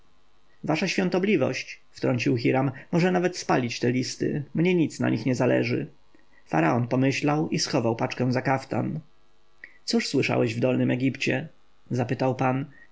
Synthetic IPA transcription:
vaʂaɕfʲjɔ̃nt̪ɔblʲivɔ̰ɕt͡ɕft̪ɾɔɲt͡ɕiwxiɾamːɔʐɛnavɛt̪spalʲit͡ɕt̪ɛlʲist̪ɘ̰mɲɛɲit̪sna̰ɲʔixɲɛzalɛ̰ʐɘ̰ | fa̰ɾaɔnpɔmɘɕlawisxɔvawpat͡ʂkɛ̃w̃zakaft̪a̰n | t̪suʂswɘʂa̰wɛʑvd̪ɔlnɘmɛɡʲipt͡ɕɛ | zapɘt̪awpan

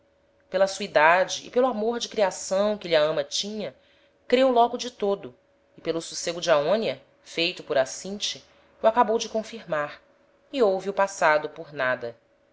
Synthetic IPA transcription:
pelɐsuid̪ad͡ʒɪ̰ːpelʊamoɾd͡ʒɪkɾiasɐ̃w̃kɪliaɐ̃mɐt͡ʃĩɲɐ | kɾewlɔɡʊd͡ʒɪt̪od̪ʊ | ɪpelʊsuseɡʊd͡ʒaõniɐ | fejt̪ʊpʊɾasĩt͡ʃɪ | uakabowd͡ʒɪkõfiɾmaɾ | iowviʊpasad̪ʊpʊɾnad̪ɐ

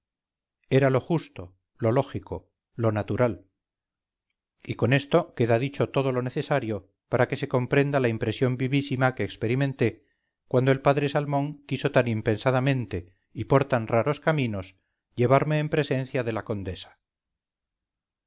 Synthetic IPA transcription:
e̞ɾalo̞xust̪o̞ | lo̞lo̞xiko̞ | lo̞nat̪uɾal | iko̞ne̞st̪o̞ke̞ðaðit͡ʃo̞t̪o̞ð̞o̞lo̞ne̞θe̞saɾjo̞ | paɾake̞se̞ko̞mpɾe̞nd̪alaimpɾe̞sjo̞mbiβisimake̞ːkspe̞ɾimẽ̞nt̪e̞ | kwand̪oe̞lpaðɾe̞salmõ̞ŋkiso̞t̪animpe̞nsaðamẽnt̪e̞ | ipo̞ɾt̪anraɾo̞skamĩno̞s | ʎe̞β̞aɾme̞ːmpɾe̞sẽ̞nθjaðe̞lako̞nd̪e̞sḁ

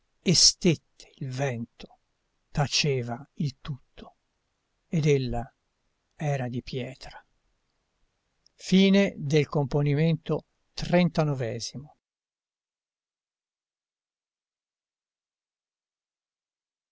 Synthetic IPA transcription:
est̪et̪ʰːe̥ilvɛnt̪o̥ | t̪at͡ʃeːvailt̪ut̪ʰːo̥ | ed̪elːa | ɛːɾad̪ipjɛːt̪ɾa | fiːned̪elkomponiment̪o | t̪rɛnt̪anɔvɛːzimo

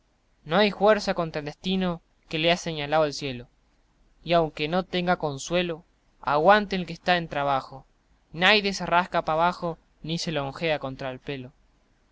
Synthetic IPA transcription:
no̞ajfwe̞ɾsako̞nt̪ɾaeld̪est̪ino̞ | ke̞leaseɲalaðoelsje̞lo | iawŋke̞no̞t̪e̞ŋɡako̞nswe̞lo̞ | a̰ɣwant̪enelkest̪aent̪ɾaβ̞axo̞ | najðjesaraskapaβaxo̞ | nise̞loːŋxeako̞nt̪ɾaelpelo̞

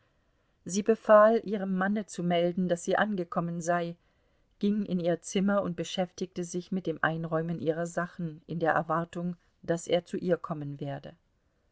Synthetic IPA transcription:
ziːbəfaːlʔiːʁ̞əmːanət͡sumɛldn̩d̥asz̥iːʔanɡəkʰɔmənzaɪ | ɡ̥ɪŋɪ̰niːɐt͡sɪmɐʊnt̚b̥əʃɛftɪk̚təzɪçmɪt̚d̥eːmʔa̰ɪnʁɔʏmənʔiːʁ̞ɐzaχn̩ʔɪndeːɐʔɛɐvaɐtʊŋ | d̥asʔeːɐt͡suʔiːɐkʰɔmənveːɐdə

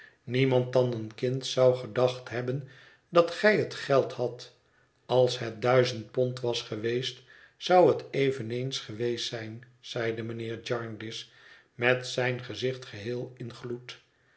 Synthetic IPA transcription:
nimɑnt̚ɑnənkɪntsɑwχədɑχtɦɛbən | dɑtχɛjɦətχɛlˠthɑt | ɑlˠsɦət̚dœɥzənt̚pɔntʋɑsχəʋejst | sɑwɦətejvənejnsχəʋejsɛjn | z̥ɛjdəmənɪːɹd͡ʒɑɹndɪs | mɛtsɛjnχəzɪχtχəɦɪːlˠɪnχlut

